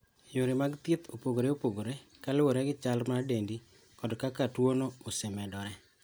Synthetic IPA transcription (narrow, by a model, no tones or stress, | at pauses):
joɾimaɡt̪ɪt̪ʰopoɡoɾeopoɡoɾekalwoɾɛɡɪt͡ʃalmadendi | kɔdkakatwonoosɛmɛdɔɾɛ